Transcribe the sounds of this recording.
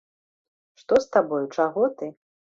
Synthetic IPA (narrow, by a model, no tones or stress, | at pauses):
ʂt̪ɔst̪abɔjut͡ʂaɣɔt̪ɨ